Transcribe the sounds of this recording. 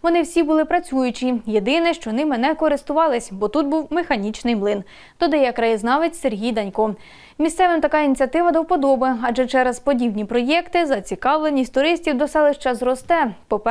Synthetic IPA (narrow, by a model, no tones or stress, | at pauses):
ʋɔnɪwsʲibʊlˠɪpɾɐt͡sʲujʊt͡ʃʲije̞d̪ɪnɛʃt͡ʃɔnɪmɪnɛkɔɾɪst̪ʊʋɑlˠɪsʲbɔt̪ut̪̚buwmexɐnʲit͡ʃnɪjmlˠɪn | d̪̥ɔd̪ɐjɛkɾɐjiznɑʋɪtʲse̞ɾɦʲijd̪ɐnʲkɔ | mʲissɛʋɪmt̪ɐkɑinʲit͡sʲiɐt̪ɪʋɐd̪ɐwpɔd̪ɔbɪɐd͡ʒɛt͡ʃɛɾɐspɔdʲibnʲipɾɔjɛkt̪ɪzɐt͡sʲikɑwlˠenʲisʲtʲt̪ʊɾɪsʲtʲiwd̪ɔsɛlˠɪʃt͡ʃɛzɾɔst̪ɛpɔpɛ